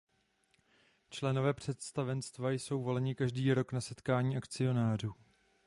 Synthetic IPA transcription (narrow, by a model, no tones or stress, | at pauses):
t͡ʃlɛno̞vɛːpr̝̥ɛt̪st̪avɛnst̪vajso̞wvo̞lɛɲɪkaʒdiːɾo̞knasɛt̪kaːɲiːʔakt͡sɪo̞naːr̝uː